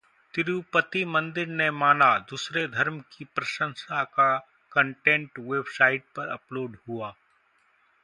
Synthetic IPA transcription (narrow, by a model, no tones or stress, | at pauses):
t̪ɪɾupət̪imɐ̃nd̪ɪɾnemaːnad̪uːsɾed̪ʱɐɾmkipɾɐʃə̃nsaka | kə̃ɳʈẽɳʈʋeːbsaːɪʈ̚pɐɾɐ̰ploːɖɦuaː